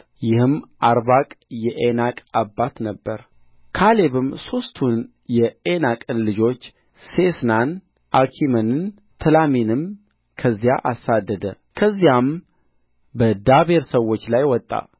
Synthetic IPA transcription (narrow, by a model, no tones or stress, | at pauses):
jɪhɨmʔaɾbakʼjɛʔenakʼabːat̪nəbːəɾ | kʰale̞βɨmso̞st̪ʰun | jɛenakʼɨnlɨd͡ʒo̞t͡ʃː | sesnan | ʔakʰimənɨn | t̪ʰɨlaminɨm | kʰəzːija̰ʔasad̪ːəd̪ə | kʰəzːijam | bəd̪aβeɾsəwot͡ʃːlajwɔt̪ʼːa̰